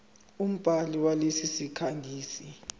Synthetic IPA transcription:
um̩b̥ʱaliwalesisikʰaŋʱiːsi

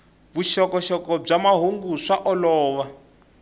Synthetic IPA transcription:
βuʃɔkɔʃɔkɔb͡ʐamaɦoŋɡuʂaʔɔlɔːβa

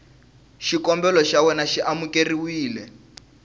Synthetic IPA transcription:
ʃikɔmbɛlɔʃawɛnaʃiʔamukeriwiːlɛ

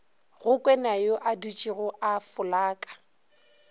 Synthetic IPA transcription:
ɣʊkʼwɛnajoʔadut͡ʃʼiɣʊʔafʊlaːkʼḁ

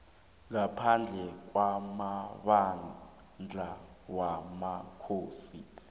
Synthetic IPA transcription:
ŋapʰand͡ɮʱɛk̬wamaɓa | nd͡ɮʱawamakʰoːsi

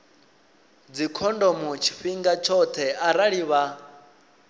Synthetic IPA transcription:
d͡zikʰɔndɔmɔt͡ʃʰi̥ɸiŋɡat͡ʃʰɔt̪ʰɛʔaɾaɺiβa

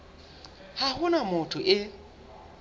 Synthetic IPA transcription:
hahʊnamʊtʰʊʔɪ

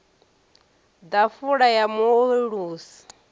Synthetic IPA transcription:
d̪afuɺajamueɺuːsi̥

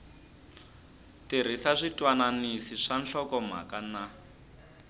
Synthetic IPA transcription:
tiɾ̤isaʂitwananisiʂanɬɔkɔm̤a̰kana

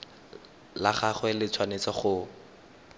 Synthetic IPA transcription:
laχaχwɛlɪt͡sʰwanet͡sɔχʊ

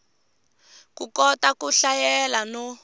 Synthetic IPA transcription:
kukɔtakuɬajɛlanɔ

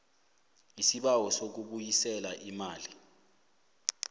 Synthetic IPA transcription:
isiɓawɔsok̬uɓujisɛlaʔimaːli

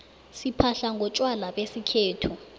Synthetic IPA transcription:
sipʰaɬaŋʱɔt͡ʃʼwalaɓesikʰeːtʰu

